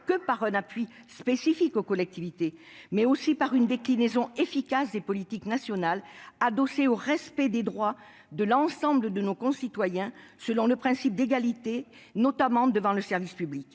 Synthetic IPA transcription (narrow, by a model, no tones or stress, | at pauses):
kəpaʁɛ̃napɥi | spesifikokɔlɛk̚t̪ivit̪emɛosipaʁynd̪eklinezɔ̃efikasd̪epɔlit̪iknasjɔnalad̪ɔseoʁɛspɛd̪ed̪ʁwa | d̪əlɑ̃sɑ̃bləd̪ənokɔ̃sit̪wajɛ̃səlɔ̃ləpχɛ̃sip̚d̪eɡalit̪e | nɔt̪amɑ̃d̪əvɑ̃ləsɛʁvispyblik